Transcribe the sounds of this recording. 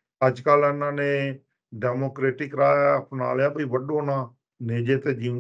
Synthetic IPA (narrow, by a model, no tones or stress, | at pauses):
əd͡ʒkəlɪnãːneː | ɖɛːmoːkɾeːʈɪkɾaːjəpna̰ːljaːbəiːʋəɖoːnaː | neːd͡ʒeːt̪eːd͡ʒiː